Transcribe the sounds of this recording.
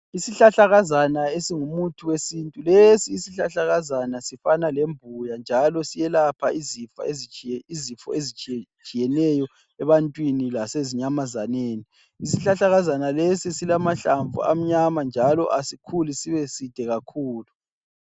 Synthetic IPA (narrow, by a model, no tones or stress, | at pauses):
isiɬaɬaɣazanaesiŋumutʰuwesintʼulesiːsiɬaɬaɣazanasifanalembʱujand͡ʒʱalɔsijɛlapʰaizifa̰eziizifɔ̰ezit͡ʃt͡ʃʼijɛnɛjɔ | ɛβantʼwinilaseziɲamazaneːni | isiɬaɬaɣazanalesisilamaɬaɱvṵa̰m̩ɲamand͡ʒʱalɔ̰ʔasikʰulisiβesid̥ʱɛɣakʰuːlu